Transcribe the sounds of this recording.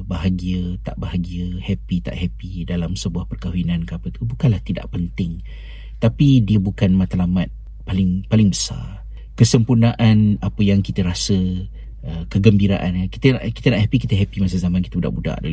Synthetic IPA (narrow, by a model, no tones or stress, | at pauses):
baɦaɡiət̪a̰ʔbaɦaɡiəhɛpit̪a̰ʔhɛpidalamsəbuahpərkaɦwinankəapət̪ubukanlaht̪ida̰ʔpənt̪ɪŋ | t̪apidiəbukanmat̪alamat̪̚ | palɪŋpalɪŋbəsa̰r | kəsəmpunaʔanapəjaŋkit̪əɾasə | əkəɡəmbiɾa̰ʔanki̥t̪ənaʔkit̪ənaʔhɛpikit̪əɦɛpimasəzamankit̪əbuda̰ʔbuda̰ʔda̰